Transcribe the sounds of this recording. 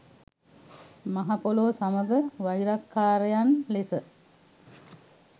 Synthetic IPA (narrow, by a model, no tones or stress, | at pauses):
maɦapoloːsaməɡəʋaiɾakʰːaːɾəjanlesə